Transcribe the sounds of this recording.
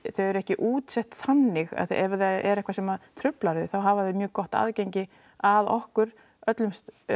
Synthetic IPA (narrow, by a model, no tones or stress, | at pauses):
θœɥðɛɾɛhcɪʔuːt̪sɛht̪θanːɪɣa̰ðθɛvɾðaɛ̰ɾɛhkvasɛmaðt̪ʰɾʏplaɾðʏθawɦavaðɪmjœːɣkɔht̪a̰ːðcejɲcɪ | aðɔhkʏɾ̥ | œt̪lʏmst̪